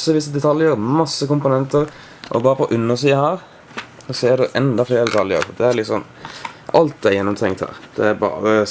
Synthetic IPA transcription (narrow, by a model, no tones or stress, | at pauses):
sːəʋisəd̪ɛt̪ʰɑljəɾmɑsːəkʊmpʊnɛnt̪əɾ | ʔɔbɑːɾəpʰɔʔʉnːəʁsiːɑhæːɾ | ɔsɛd̪ɛʔɛnd̪ɑfleːɾəd̪ɛt̪ʰɑljə̰ɾfɔd̪ɛæɾlɪk̪sɔnː | ɑlt̪̚d̪æjɛnːɔmt̪ʰɛŋt̪hæ̰ːɾd̪̥ɛæɾbɑ̰ːɾə